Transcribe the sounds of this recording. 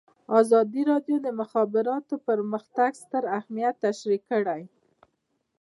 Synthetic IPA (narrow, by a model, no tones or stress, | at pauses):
ɑzɑd̪iɾɑɖjod̪əmʊxɑbɪɾɑt̪opəɾməxt̪aɡst̪əɾahmijat̪ːaʃɾikəɽaj